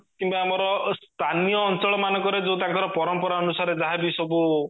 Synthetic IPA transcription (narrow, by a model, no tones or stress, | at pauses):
kimbaːmɔɾɔst̪ʰanijɔːnt͡ʃɔɭɔmanɔŋkɔɾed͡ʒew̃t̪ãŋkɔɾɔpɔɾɔmpɔɾaɔnusaɾed͡ʒaɦabisɔbu